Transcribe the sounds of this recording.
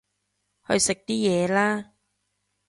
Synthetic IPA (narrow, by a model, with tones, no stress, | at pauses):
hɵ˧ɥsɪ˨k̚t̪iː˥jɛː˨˧laː˥